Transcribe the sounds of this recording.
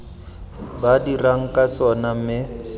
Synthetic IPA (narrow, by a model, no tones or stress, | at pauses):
badiraŋ̩kʼat͡sɔnamɪ